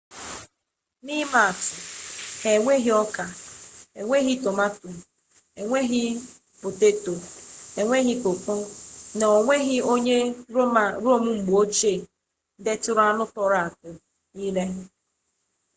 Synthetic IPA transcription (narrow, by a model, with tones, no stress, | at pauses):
ni˦ma˨a˨tʊ˨he˨ŋʷe˦ɦi˦ɔ˦ka˨e˨ŋʷe˦ɣi˦to˨ma˦tu˨ | e˨ŋʷe˦ɣɪ˦ | pʊ˨te˦to˨e˨ŋʷe˦ɣɪ˦po˨k͡pʊ˦nɔ˨ŋʷe˦ɣɪ˦o˦ɲe˦˨ | ɾo˦˨mu˦ŋ͡m̩˨ɡ͡bo˦t͡ʃe˦˨˦ | de˦tʊ˦ɾʊ˦a˦nʊ˦tɔ˨ɾa˨a˨tʊ˨ | niː˦le˦